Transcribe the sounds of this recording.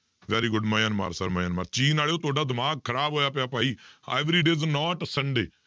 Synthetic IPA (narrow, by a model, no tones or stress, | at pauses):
ʋɛːɾiːɡʊɖmajaːnma̰ːɾsə̰ɾmajaːnma̰ːɾt͡ʃiːnaːleoːt̪ʊaːɖaːd̪ɪmaːɡ̚kʰəɾaːbɦoːjaːpɪjaːpaːiːḛːʋɾiːɖeːznɔːʈsəɳɖeː